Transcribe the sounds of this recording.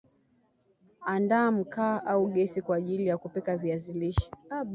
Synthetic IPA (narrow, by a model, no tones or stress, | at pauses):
andaːm̩kaːʔauɠɛsikwaːʄilijakupɛkaviaziliʃi̥a